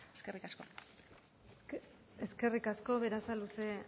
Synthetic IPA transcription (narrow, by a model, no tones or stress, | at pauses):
eskerikasko | eske̞rikasko̞βe̞ɾasaluse̞